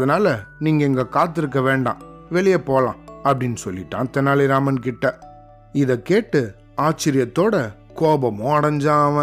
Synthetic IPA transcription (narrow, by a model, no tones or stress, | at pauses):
ðɐnaːlɐniːŋɡɐɛŋɡɐkaːt̪ːɪɾɯk̬ːɐʋeːɳɖã̰ːʋɛɭɪjɐpoːlãːɐpːɐɽɪnːɯsɔlːɪʈːã̰ːt̪ɛnːaːlɪɾaːmɐnkɪʈːɐ | ɪðɐkeːʈːɯ | aːt͡ʃːɪɾɪjɐt̪ːoːɽɐ | koːbɐmõɐɽɐɲd͡ʒãːɐʋɐ̃